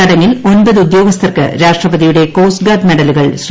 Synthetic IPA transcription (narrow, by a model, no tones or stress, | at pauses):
ɐɽɐŋɪlonbɐðɯud̪joːɡɐst̪ʰɐrkɨ̰ɾaːʂʈrɐbɐðijuɽekoːsɡaːd̪mɛɽɐlɯɣɐɭɕ